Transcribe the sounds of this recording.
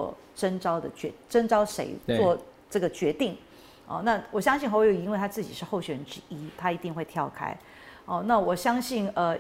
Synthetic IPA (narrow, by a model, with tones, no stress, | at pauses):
ɔ̰˥˩ | ʈ͡ʂə˥nʈ͡ʂɑ˥ʊd̪ə̰˨t͡ɕɛ˧˥ʈ͡ʂə˥nʈ͡ʂɑ˥ʊʂḛ˧˥ɪt͡swɔ˥˧ | ʈ͡ʂɤ˥˩ɡə˩t͡ɕɥɛ˧˥t̪i˥˩ŋ | ə̰˧˩na˥˩wɔ˨˩ɕjɑ˥ŋɕ̬i˥˩xo˥wi˥nwe˥˩ɪt̪ʰa˥t͡sɹ̩˥˩t͡ɕi˨˩ʂɻ̩˥˧xo˥˩ʊɕɥɛ˨˩ɻə˧˦nʈ͡ʂɻ̩˥i˥t̪ʰa˥i˧˥t̪i˥˧ŋxwe˧ɪt̪ʰjɑ˥˩ʊkʰa̰˥ɪ | ə˥˧na˥˩wɔ˨˩ɕjɑ˥ŋɕi˥˩nə˧